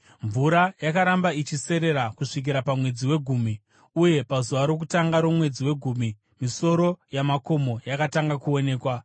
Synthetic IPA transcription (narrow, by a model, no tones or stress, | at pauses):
ɱvuɾajakaɾambait͡ʃise̞ɾe̞ɾakuʂik̬iɾapamwe̞d͡ziwe̞ɡʱuːmi | uje̞pazuʋaɾo̞k̬utaŋɡaɾo̞mwe̞d͡ziwe̞ɡʱuːmi | miso̞ɾo̞jamako̞mo̞jakataŋɡakuo̞ne̞ːkwa